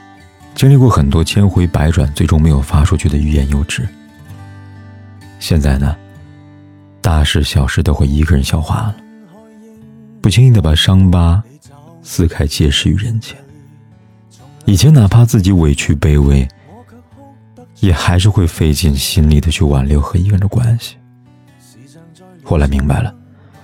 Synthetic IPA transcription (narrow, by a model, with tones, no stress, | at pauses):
t͡ɕi˥ŋli˥˧kwɔ˥˩xə˨˩nt̪wɔ˥t͡ɕʰjɛ˥nxwe˧˥ɪpa˧˥ɪʈ͡ʂwa̰˨˩nt͡swe˥˩ɪʈ͡ʂʊ˥ŋme˧˥ɪjo˨˩ʊfa˥ʂʰu˥˧t͡ɕʰy˥˩d̪ə˩y˥˧jɛ˧˥njo˥ʊʈ͡ʂɻ̩˥˩ | ɕjɛ˥˧nt͡sa˥˩ɪnə˩ | t̪a˥˧ʂɻ̩˥˩ɕjɑ˨˩ʊʂɻ̩˧˥t̪o˥xwe˥˩ɪi˧˥ɡə˥˧ɻə˧˥nɕjɑ˨˩ʊxwa̰˥lə˩ | pu˥˩t͡ɕʰi˥ŋi˥ŋd̪ə˩pa˨˩ʂɑ˥ŋpa˥ | sɹ̩˥˧kʰa˥˩ɪt͡ɕjɛ˥˧ʂɻ̩˥˩y̰˧˥ɻə˧˥nt͡ɕʰjɛ˥n | i˨˩t͡ɕʰjɛ˧˥na˨˩pʰa˥t͡sɹ̩˥˩t͡ɕi˧˥we˨˩ɪt͡ɕʰy˥˧pe˥ɪwe˧˥ɪ | jɛ˨˩xa˧˥ɪʂ̬ɻ̩˥˧xwe˥˧ɪfe˥˧ɪt͡ɕi˥˩nɕi˥nli˨˩d̪ə˦t͡ɕʰy˥˩wa̰˨˩nljʊxɤ˧˥i˧˥ɡə˧ɻə˧˥nd̪ə˧kwa˥nɕi̥˨˩ | xo˥˩ʊla˧˥ɪmi˧˥ŋba˨˩ɪlə˩